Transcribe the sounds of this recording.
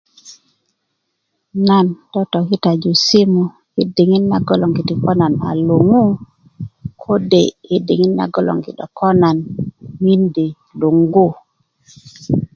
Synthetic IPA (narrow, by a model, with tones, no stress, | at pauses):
na˦ntɔ˦tɔ˨ki˦ta˨d͡ʒu˨si˦mu˨ | ki˦di˨ŋi˦nːa˦ɡɔ˦lɔ˨ŋɡi˨ti˨kɔ˦na˨na̰˨lo˨ŋu˦ | kʰo˦de˨i˦di˨ŋi˦nːa̰˨˦ɡɔ˦lɔ̰˨ŋɡḭ˨ɗɔ̰˨kʰɔ˦na˨nmi˦nde˨ | lu˨ŋɡu˦